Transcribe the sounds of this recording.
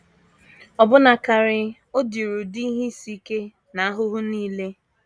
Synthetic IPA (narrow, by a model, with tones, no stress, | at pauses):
ɔ˨bʊ˦na˨ka˨ɾɪ˨ | o˦di˨ɾu˨di˦ɦi˦si˦ke˦ | na˨a˦ɦʊ˦ɦʊ˦niː˦le˦